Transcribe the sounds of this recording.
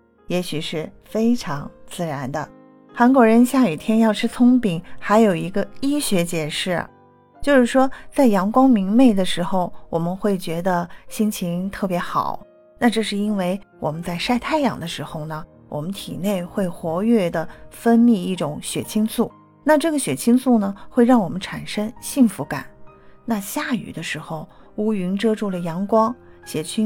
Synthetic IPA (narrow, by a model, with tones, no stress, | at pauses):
jɛ˧˥ɕy˨˩ʂɻ̩˥˩ | fe˥ɪʈ͡ʂʰɑ˧˥ŋt͡sɹ̩˥˩ɻa˧˥nd̪ə̰˧ | xa˧˥nkwɔ˧˥ɻə˧˥nɕja˥˩i˨˩t̪ʰjɛ˥njɑ˥˧ʊʈ͡ʂʰɻ̩˥t͡sʰʊ˥ŋpi˨˩˦ŋxa˧˥ɪjo˨˩ʊi˧˥ɡə˧i˥ɕɥɛ˧˥t͡ɕjɛ˨˩ʂɻ̩̰˥˩ | t͡ɕjo˥˧ʊʂɻ̩˥˩ʂwɔ˥t͡sa˥˩ɪjɑ˧˥ŋkwɑ˥ŋmi˧˥ŋme˥˩ɪd̪ə˩ʂɻ̩˧˥xo˧ʊwɔ˨˩mə˦nxwe˥˩ɪt͡ɕɥɛ˧˥d̪ə˧ɕi˥nt͡ɕʰi˧˥ŋt̪ʰɤ˥˩pjɛ˧˥xɑ̰˨˩˦ʊ | na˥˧ʈ͡ʂɤ˥˧ʂɻ̩˥˩i˥nwe˥˩ɪwɔ̰˨˩mə˦nt͡sa˥˧ɪʂa˥˧ɪt̪ʰa˥˩ɪjɑ̰˨˩ŋd̪ə˦ʂɻ̩˧˥xo˥˧ʊnə˩ | wʔɔ̰˨˩mə˦nt̪ʰi˨˩ne˥˩ɪxwe˥˩ɪxwɔ˧˥ɥɛ˥˩d̪ə˩fə˥nmi˥˧i˥˩ʈ͡ʂʊ˨˧˥ŋɕɥɛ̰˨˩t͡ɕʰi˥ŋsʰu˥˩ | na˥˧ʈ͡ʂɤ˥˩ɡə˩ɕɥɛ˨˩t͡ɕʰi˥ŋt͡sʰu˥˩nə˩xwe˥˧ɪɻɑ˥˩ŋwɔ˨˩mə˦nʈ͡ʂʰa˨˩nʂə˥ŋɕi˥˩ŋfu˧˥ka̰˨˩˦n | na˥˧ɕja˥˩y̰˨˩d̪ə˦ʂɻ̩˧˥xo˧ʊu˥y˧˥nʈ͡ʂɤ˥ʈ͡ʂu˥˩lə˩jɑ˧˥ŋkwɑ˥ŋɕɥɛ˨˩t͡ɕʰy˥